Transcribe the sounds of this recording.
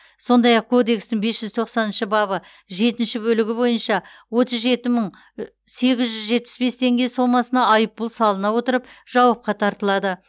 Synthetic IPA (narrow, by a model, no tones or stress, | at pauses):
so̞nd̪ɑjɑq̚kʰo̞d̪e̞kst̪ɪŋbesʒ̥ʏzt̪ʰo̞qsɑnənʃəbɑβə | ʒe̞t̪ɪnʃɪbɵlɪɡʲɪbo̞jənʃɑwo̞t̪əzʒe̞t̪ɪməɴ | se̞ɡʲɪzʒʏzʒe̞t̪̚pɪ̥sbe̞st̪ʰe̞ŋɡʲe̞so̞mɑsənɑɑjəpːʊlˠsɑlˠənɑwo̞t̪əɾəpʒ̥ɑwɑp̚qɑt̪ʰɑɾt̪əlˠɑd̪ə